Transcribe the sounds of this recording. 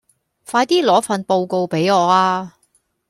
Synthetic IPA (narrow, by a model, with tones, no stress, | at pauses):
faː˧jt̪iː˥lɔː˨˥fɐ˧˨npo˧wko˧wpe˨˥jɔː˨˧aː˧